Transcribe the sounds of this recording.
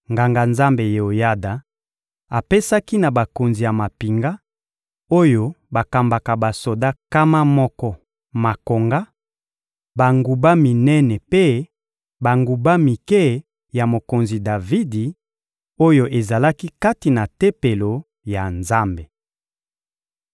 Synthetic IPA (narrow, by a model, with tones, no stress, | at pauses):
ŋɡa˨ŋɡa˨nza˦mbe˨je˨o˨ja˦da˨ | a˨pe˦sa˦ki˦na˨ba˨ko˨nzi˨ja˨ma˨pi˨ŋɡa˦ | o˦jo˦ba˨ka˨mba˨ka˨ba˨so˨da˦ka˦ma˦mɔ˦kɔ˦ | ma˨ko˨ŋɡa˦ | ba˨ŋɡu˨ba˦mi˨nɛ˦nɛ˨pe˦ | ba˨ŋɡu˨ba˦mi˨kɛ˦ | ja˨mo˨ko˨nzi˨da˨vi˦di˨ | o˦jo˦ʔe˨za˨la˦ki˦ka˦ti˨na˨te˦pe˨lo˨ | ja˨nza˦mbe˨